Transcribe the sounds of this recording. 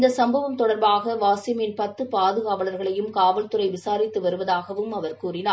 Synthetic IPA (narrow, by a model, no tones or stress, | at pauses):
ɪnd̪ɐsɐmbɐʋɐmt̪ɔɽɐɾbaːɣɐʋaːsɪmɪnpɐt̪ːɯpaːðɯɣaːʋɐɭɐɾɣɐɭɐjɯmkaːʋɐlt̪ɯɾɐɪʋɪsaːɾɪt̪ːɯʋɐɾɯʋɐðaːɣɐʋɯmɐʋɐɾkuːrɪnaː